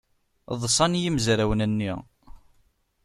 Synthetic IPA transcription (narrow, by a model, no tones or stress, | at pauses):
ðˤsˤɑnjimzɾæwənænːḭʁ